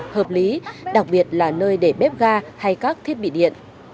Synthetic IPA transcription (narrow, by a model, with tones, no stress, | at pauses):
həː˨˩p̚li˨˦ɗa˨˩k̚ɓi˨˩ət̚laː˨˩nəː˧jɗe˧˩ɓɛ˦˥p̚ɣaː˧ha˧jkaː˦˥k̚t̪ʰi˦˥ət̚ɓḭ˧˨ɗḭ˧˨ənʔ